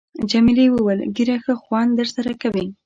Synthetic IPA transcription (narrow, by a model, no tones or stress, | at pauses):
d͡ʒamiliwəwəlɡiɾaxəxwɑnd̪əɾsaɾakawi